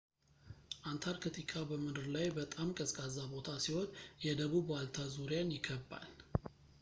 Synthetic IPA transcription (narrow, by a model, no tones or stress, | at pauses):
ʔant̪ʰaɾkʰɨt̪ʰʼikʼabəmɨd̪ɨɾlajbət̪ʼamkʼəskʼazabo̞t̪ʰasiho̞njɛd̪əβubwalt̪ʰazuɾjanjɪɡʰəbːa̰l